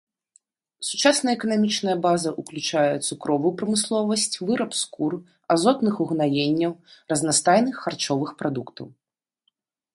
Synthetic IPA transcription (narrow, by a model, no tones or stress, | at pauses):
sut͡ʂasnɐjɐɛkɐnamʲit͡ʂnɐjɐbazɐʔuklʲut͡ʂajɛt̪sukɾɔvujupɾɐmɨslˠɔvɐsʲt͡sʲvɨɾɐpskur | azɔt̪nɨxuɣnajenʲːɐwrɐznast̪ajnɨxːart͡ʂɔvɨxpɾad̪ukt̪ɐ̰w